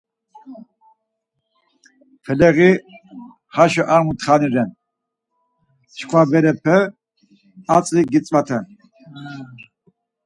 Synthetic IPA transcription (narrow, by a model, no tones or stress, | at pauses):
pʰɛlɛɣi | χaʃɔʔaɾmut̪χaniɾɛn | t͡ʃkʰwabɛɾɛpʰɛ | at͡sʼliɡit͡sʼvat̪ʰɛn